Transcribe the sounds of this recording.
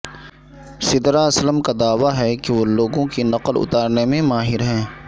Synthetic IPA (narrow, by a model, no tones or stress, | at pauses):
sɪd̪ɾaɐsləmkad̪aːʋaɦɛkeʋoloːɡõkinɐqəlʊ̰t̪aːɾnemẽmaːɦɪɾɦɛ̃ː